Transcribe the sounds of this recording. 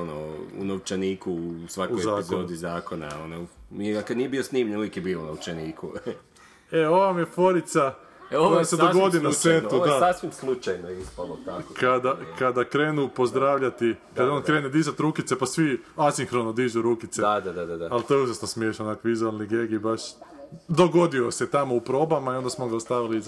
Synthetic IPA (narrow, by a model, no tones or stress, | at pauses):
ono̰ṵnoʋwt͡ʃeniːkusʋakuɔjezaːkzod̪izaːkona̰onomieakad̪nijebiosniːmɲenuʋekebiːlonowt͡ʃeniːku | eo̞ʋamjefo̞ɾit̪sa | oeseoɡod̪inaseud̪asasʋimslˠut͡ʃajnoispalot̪akokad̪akad̪akɾeːnupo̞zd̪ɾaːʋʎat̪ikad̪aonkɾeːned̪izat̪ɾuːkit̪se̞pasʋiasiŋxɾonod̪iʒuɾuːkit̪sed̪ad̪ad̪ad̪ad̪aalˠt̪ojeuʒasnosmjeʃanakʋizualniɡeɡibaʃd̪oɡo̞d̪ioset̪amoupɾo̞ːbamaiond̪asmoɡaost̪aʋiliz